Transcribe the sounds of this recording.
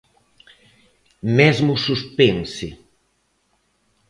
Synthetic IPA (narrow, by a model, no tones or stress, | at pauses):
mɛzmʊsuspensɪ